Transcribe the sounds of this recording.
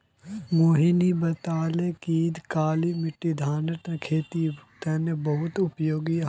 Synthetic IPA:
moːɦinibət̪aːlekiːd̪kaːlimɪʈːid̪ʱaːnət̪kʰeːt̪ibʱʊt̪aːnebɐɦʊt̪ʊpjoːɡi

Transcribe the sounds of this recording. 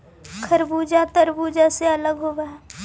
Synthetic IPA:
kʰəɾbuːd͡ʒat̪əɾbuːd͡ʒaseɐləɡɦoːʋaɦɛ

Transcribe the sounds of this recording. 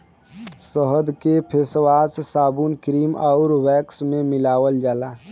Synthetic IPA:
səɦəd̪kepʰeːswaːssaːbuːnkɾiːmɔːɾwɛːksmẽmɪlaːwəld͡ʒaːlaː

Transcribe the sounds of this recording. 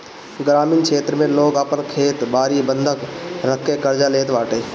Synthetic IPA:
ɡɾaːmiːnkʰeːt̪ɾəmẽloːɡaːpənkʰeːt̪baːɾibə̃nd̪ʱəkɾɐkːekɐɾd͡ʒaleːt̪ʋaːʈeː

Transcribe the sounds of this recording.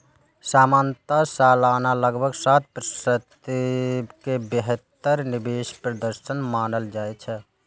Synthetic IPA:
saːmaːnt̪asaːlaːnaləɡbʱəɡsaːt̪̚pɾəsət̪ikebeɦət̪ːəɾnɪbeːʃpɾəd̪əɾʃənmaːnəld͡ʒaːjt͡ʃʰɛ

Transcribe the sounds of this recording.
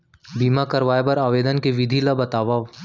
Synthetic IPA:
biːmakɐɾʋaːepɐɾaːʋeːd̪ənkeʋɪd̪ʱilabɐt̪aːʋaː

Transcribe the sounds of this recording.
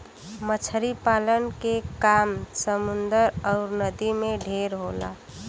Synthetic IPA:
mət͡ʃʰəɾipalənkekamsəmund̪əɾəʊɾnəd̪imeɖʱeɾɦola̰

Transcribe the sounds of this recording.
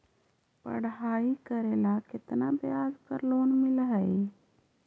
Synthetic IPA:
pə̰ɽ̤ɦaːikəɾeːlakɪt̪nabjaːzpəɾloːnmɪlɦəi

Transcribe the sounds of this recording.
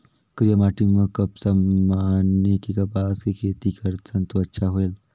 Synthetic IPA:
kɾijəmaʈiməkəpsəmːanikikabaskekʰet̪ikəɾt̪ʰənt̪ʋətːt͡ʃʰaɦoel

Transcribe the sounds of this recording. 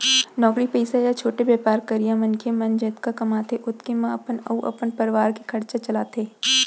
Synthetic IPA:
nɔːkɾipɛɪsajat͡ʃʰoːʈebjeːpaːɾkɐɾijãmɐnkʰemɐnd͡ʒɛːt̪kakɐmaːt̪ʰeʔʊt̪kemãɐpənɐ̰uʔɐ̰pənpɐɾɪʋaːɾkikʰɐɾt͡ʃat͡ʃɐlaːt̪eː

